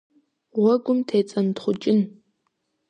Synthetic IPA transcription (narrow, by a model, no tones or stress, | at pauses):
ʁʷɐɡʷʊmtʰeːt͡sʼɐntχʷʊt͡ʃʼɪn